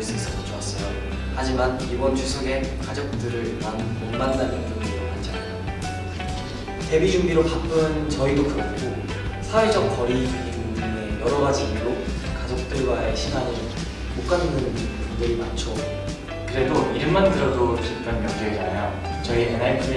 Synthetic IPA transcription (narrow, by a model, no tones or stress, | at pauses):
ɭs͈ɯis͈ʌsʰʌt͡ɕowas͈ʌjo | had͡ʑiman | ibʌnt͡ɕusʰoɡe̞kad͡ʑʌk̚t͈ɯɾɯɭmanmonmansanɯntɯnɯɾomant͡ɕ͈ʰanajo | te̞bid͡ʑuŋbiɾopap͈ʰɯnt͡ɕʌidokɯɡɡo | sʰawed͡ʑʌk̚k͈ʌɾipumdɯnejʌɾʌɡad͡ʑiɡiɾo | kad͡ʑʌk̚t͈ɯɭɡwaeɕʰinanɯ | mok͈anɯnɯn | neɾima̰t͡ɕʰo | kɯɾe̞doʔiɾɯmmandɯɾʌdot͡ɕikt͈ʌnjʌndɯiɾanajʌ | t͡ɕʌieenaɭku